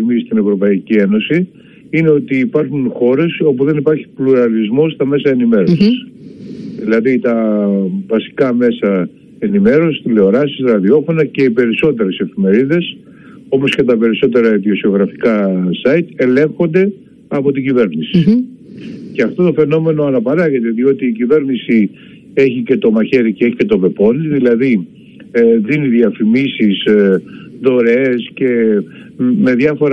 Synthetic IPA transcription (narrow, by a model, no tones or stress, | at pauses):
mist̪ine̞vɾo̞pɐicie̞no̞si | ine̞o̞t̪iːpɐɾxunxo̞ɾe̞so̞puðe̞nipɐɾçi̥pluɾɐlizmo̞st̪ɐme̞sɐe̞nime̞ɾo̞sis | ðilɐðit̪ɐ | vɐsi̥kɐme̞sɐ | e̞nime̞ɾo̞sist̪ile̞o̞ɾɐsisɾɐðio̞fo̞nɐce̞ipe̞ɾiso̞t̪e̞ɾese̞fime̞ɾiðe̞s | o̞po̞sce̞t̪ɐpe̞ɾiso̞t̪̬e̞ɾɐiðio̞sio̞ɣɾɐfikɐsɐit̪e̞le̞ŋxo̞nd̪e̞ | ɐpo̞t̪iɟive̞ɾnisi̥ | ceɐft̪o̞t̪o̞fe̞no̞me̞no̞ɐnɐpɐɾɐʝe̞t̪e̞ðio̞t̪iːcive̞ɾnisi | e̞çice̞t̪o̞mɐçe̞ɾiceeçi̥ce̞t̪o̞be̞po̞niðilɐði | ðiniðiɐfimisis | ðo̞ɾee̞sce̞ | me̞ðʝɐfo̞ɾ